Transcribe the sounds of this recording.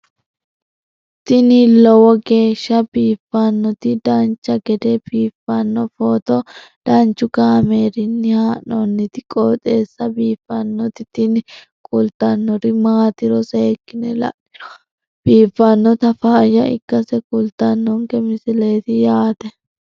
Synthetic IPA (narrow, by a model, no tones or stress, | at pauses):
t̪ɪnilɔwɔɡe̞ːʃːɐbiːfːɐnːɔt̪ɪd̪ɐnt͡ʃːɐɡɛd̪ɛbiːfːɐnːɔfɔːt̪ɔ | d̪̥ɐnt͡ʃːʊɡaːme̞ːɾɪnːɪhaːʔɔnːɪt̪ɪkʼɔːt̪ʼeːsːɐbiːfːɐnːɔt̪ɪt̪ɪnɪ | kʼʊlt̪ːɐnːɔɾɪmaːt̪ɪɾɔseːkːɪnɛ̰lɐ̰ʔɪ̥ɾɔ̥ | b̥iːfːɐnːɔt̪ɐfaːjɐɪ̰kːɐsɛkʼʊlt̪ːɐnːɔŋkɛmɪsɪleːt̪ɪjaːd̪ɛ